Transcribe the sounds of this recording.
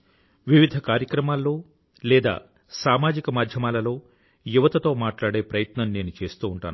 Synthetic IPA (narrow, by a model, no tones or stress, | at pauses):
ʋiʋid̪ʱɐkaːɾjɐkɾɐmaːlːo̞ː | lɛːd̪a̰ː | saːmaːd͡ʒikɐmaːd̪ʱjɐmaːlɐlo̞ː | juʋɐt̪ɐt̪o̞ːmaːʈlaːɽe̞ːpɾɐjɐt̪nɐmneːnut͡ʃe̞ːst̪uːuɳʈa̰ːn